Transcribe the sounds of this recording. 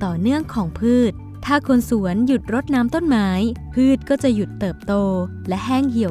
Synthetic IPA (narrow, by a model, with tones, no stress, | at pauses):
t̪ɔː˨˩nɯ˥˩əŋkʰɔː˩˦ŋpʰɯː˥˩t̪̚ʰːaː˥˩kʰo˧nsu˩˦ənju˨˩t̪̚ɾo˦˥t̪̚naː˦˥mt̪o˥˩nmaː˦˥jpʰɯː˥˩t̪̚kɔː˥˩t͡ɕa˨˩ju˨˩t̪ːɤː˨˩p̚t̪oː˧ | lɛ˦˥ʔɦɛː˥˩ŋkʰi˨˩˦ə